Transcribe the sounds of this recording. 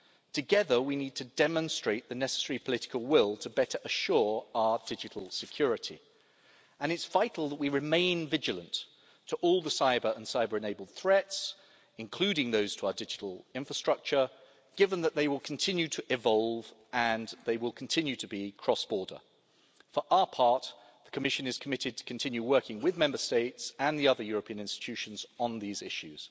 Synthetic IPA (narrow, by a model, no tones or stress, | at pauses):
tʰɨɡɛðəwinid̚tʰɨdɛmə̃nstɹ̥eɪʔ̪̚ðɨnɛsə̥sɛɹipʰəlɪtɪ̥kəlˠwɪlˠtʰəbɛɾə˞ʔəʃɔɹaʊədɪd͡ʒɨɾʰˡl̩ˠsɨkʰj̥ɔɹɨɾḭ | ə̃nɨtsv̥aɪtˡl̩ˠðəʔ̚wiɹɨmẽɪ̃nvɪd͡ʒɨlˠə̃nt | tʰəʔɔlˠðəsaɪbə˞ə̃nsaɪbə˞ɨ̃neɪblˠd̪̚θɹɛts | ɨ̃nkʰl̥ʉɾɪ̃ŋðoʊz̥tʰəaʊədɪd͡ʒɨɾˡl̩ˠɪ̃ɱfɹəstɹ̥ʌk̚t͡ʃə˞ | ɡ̥ɪvə̃nðət̪̚ðeɪwɪlˠkʰn̩tʰɪ̃njʉɾʰəʔɪvɒlˠvə̃nðeɪwɪlˠkʰn̩tʰɪ̃njʉɾəbikʰɹ̥ɔsb̥ɔɹdə̰˞ | fə˞ʔaʊəpʰɑɹt̪̚ | ðəkʰəmɪʃɨ̃nɨz̥kʰəmɪɾɨd̚tʰə̥kʰn̩tʰɪ̃njʉwɜ˞kɪ̃ŋwɪðmɛ̃mbəsteɪtsə̃nðiʌðə˞jɔɹəpʰĩɨ̃ə̃nɪ̃nstɪ̥tʰʉʃɨ̃n̩zn̩ðizɪʃʉz̥